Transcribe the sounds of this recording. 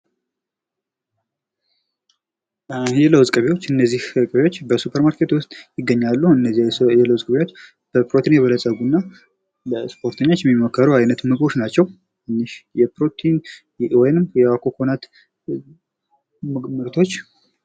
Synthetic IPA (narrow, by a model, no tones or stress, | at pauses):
jɛləwzʼkʼɨβewot͡ʃːɨnːəzːihkʼəβewo̞t͡ʃːbəsupʰəɾmaɾkʰe̞t̪wʊst̪ʼjɪɡːəɲːalːuɨnːəzjɛləwzʼkʼəβewo̞t͡ʃː | b̥əpɾot̪ʰinjɛβələsʼəɡunːa | ləspʰo̞ɾt̪ʰəɲːot͡ʃːjɛmːimːəkʰːəɾuajnət̪mɨkʼo̞t͡ʃnat͡ʃːɛw | ɨnːɨʃjɛpɾot̪ʰin | wɔjnɨmjɛakʰokʰonat̪ | mɨɾt̪ʰo̞t͡ʃː